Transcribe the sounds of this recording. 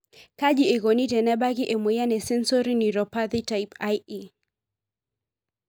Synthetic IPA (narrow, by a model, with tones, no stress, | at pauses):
ka˦ʄi˨e˨ɣɔ˨ni˦tɛ˨nɛ˦ɓa˦ɣi˦ʔɛ˨mwɛ˨ja˦nɛ˨sɛ˦nsɔ˦ɾi˦ni˨ɾɔpa˦ðitajpaji